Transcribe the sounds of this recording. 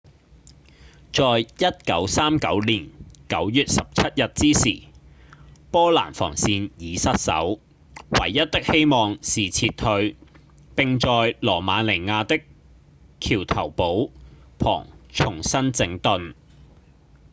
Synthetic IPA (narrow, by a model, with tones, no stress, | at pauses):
t͡sɔː˨jjɐ˥t̚kɐ̰˨˥wsaː˥mkɐ̰˨˥wliː˨˩nkɐ˨˥wjyː˨t̚sɐ˨p̚t͡sʰɐ˥t̚jɐ˨t̚t͡siː˥siː˨˩ | pɔː˥la̰ː˨˩nfɔ̰ː˨˩ŋsiː˧njiː˨˧sɐ˥t̚sɐ̰˨˥w | wɐ̰˨˩jːɐ˥t̚t̪ɪ˥k̚he˥jmɔː˨ŋsiː˨t͡sʰiː˧t̪ʰːɵ˧ɥ | pɪ˨ŋt͡sɔː˨jlɔː˨˩maː˨˥le˨˩jŋaː˧t̪ɪ˥k | kʰiː˨˩wt̪ʰɐ˨˩wpo˨˥wpʰɔ̰ː˨˩ŋt͡sʰʊ˨˩ŋsɐ˥nt͡sɪ˨˥ŋt̪ɵ˨n